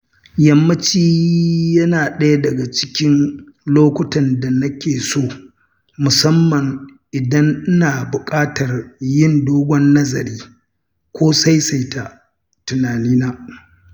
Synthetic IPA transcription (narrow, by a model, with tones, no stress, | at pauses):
jɐ˦mːɐ˦t͡ʃiː˦jɐ˦naː˨ɗɐ˦ja˦dɐ˨ɡa˨t͡ʃɪ̥˦kʲɪ˦nloː˦kʷʊ˦tɐ˨nda˨nɐ˦kʲeː˨soː˦˨ | mʊ˨sɐ˦mːɐ˨ŋʔɪ˨dɐ˦ŋɪ˦naː˨bʊ˨kʼaː˦tɐ˨rjɪ˦ndoː˦ɡʷɔ˦nːɐ˦zɐ˨ɾiː˦ | kʷoː˦sa˦jsa˨jta˨ | tʊ˨naː˨niː˦naː˦